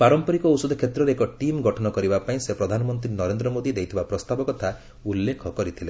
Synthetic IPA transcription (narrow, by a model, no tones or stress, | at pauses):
paɾɔmpɔɾikɔusɔd̪ɔkʰet̪ɾɔɾeekɔʈimɡɔʈʰɔnɔkɔɾibapaĩsepɾɔd̪ʱanɔmɔnt̪ɾinɔɾend̪ɾɔmod̪id̪ejt̪ʰibapɾɔst̪abɔkɔt̪ʰa | ulːekʰɔkɔɾit̪ʰile